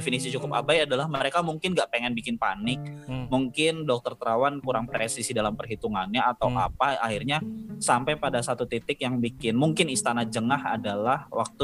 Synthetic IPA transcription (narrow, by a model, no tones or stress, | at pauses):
efinisit͡ʃukʊpa̰bajadalahməɾekamuŋkɪnɡaʔpeŋɛnbikɪnpa̰nɪk̚muŋkɪndɔk̚t̪ɔrt̪ɾawankuɾaŋpɾesisidalampərɦit̪uŋanɲaːt̪awʔa̰paahirɲasampajpadasat̪ut̪it̪ɪkjaŋbikɪnmuŋkɪnist̪anad͡ʒəŋaha̰dalahwa̰k̚t̪u